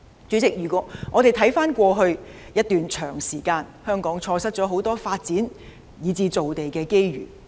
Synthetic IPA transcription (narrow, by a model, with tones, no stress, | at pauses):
t͡ʃyː˨˥t͡sɪ˨k̚jyː˨˩kʷɔː˨˥ŋɔː˨˧t̪e˨˩jt̪ʰɐ˨˥jfaː˥nkʷɔː˧ɦɵ˧ɥjɐ˥t̚t̪yː˨nt͡ʃʰœː˨˩ŋsiː˨˩kaː˧nhœː˥ŋkɔː˨˥ŋt͡ʃʰɔː˧sɐ˥t̚t͡sɔː˨˥ɦo˨˥wt̪ɔː˥faː˧t̚t͡siː˨˥n | jiː˨˧˥t͡siː˧t͡so˨wt̪e˨jkɛː˧ke˥jɥy̰ː˨˩